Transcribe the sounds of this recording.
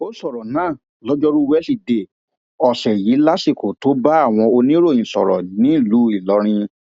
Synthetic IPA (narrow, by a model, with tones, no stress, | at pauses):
o˦sɔ˦˨ɾɔ˨nãː˦˨ | lɔ˦d͡ʒɔ˦ɾu˦wɛ˦li˧de˦˨ | ɔ˨ʃɛ˨ji˨˦la˦si˦˨ko˨to˨˦ba˦a˦˨w̃ɔ̃˧o˧nĩ˦ɾo˦˨ĩ˨sɔ̰˨ɾɔ̰˨nĩ˦˨lu˨˦i˦˨lɔ˨˦ɾ̃ĩ˧